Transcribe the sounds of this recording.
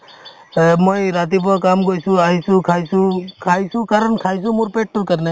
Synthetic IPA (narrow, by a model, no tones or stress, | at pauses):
mɔjɾat̪̬ipɔkaːmɡojsuaɦisũkʰajsukʰajsukaɾənkʰajsũmuɾpeʈ̚ʈukəɾnɛ